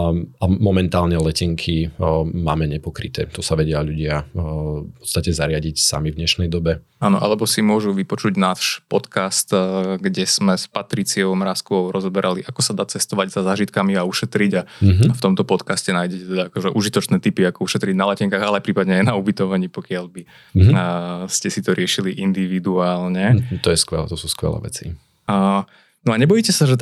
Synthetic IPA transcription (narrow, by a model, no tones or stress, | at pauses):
amɔmɛnt̪aːlɲɛlɛcɛŋkʰimaːmɛɲɛpɔkɾit̪ɛ̰ːt̪ɔsaʋɛɟɪaʎuɟɪa | pɔɔ̥t̪st̪acɛzaɾɪaɟicsa̰mivɲɛʃnɛjd̪ɔbɛ | aːnɔ̰ʔa̰lɛbɔsimʊɔʒuʋipɔt͡ʃuɟnaːʃpɔt̪kast̪ɡɟɛsmɛspat̪ɾit͡siɔʊmɾaskɔʊɾɔzɔbɛɾʔaliʔakɔsad̪aːt͡sɛst̪ɔʋaɟz̥azaːʒit̪kamiauʃɛt̪ɾiɟaaft̪ɔmt̪ɔpɔt̪kascɛnaːjɟɛcɛt̪ɛd̪aakɔʒɛʔuʒit̪ɔt͡ʃnɛːt̪ipiakɔuʃɛt̪ɾiɟnalacɛŋkaːɣalɛapɾiːpad̪ɲɛajnaubit̪ɔʋaɲiːpɔkɪalbi | scɛsit̪ɔɾɪɛʃiliʔind̪iʋid̪uaːlɲɛt̪ɔjɛskʋɛ̰lɛ̰t̪ɔsuskʋɛ̰lɛ̰ʋɛ̰t͡sḭ | nɔaɲɛbɔjicɛsaʒɛt̪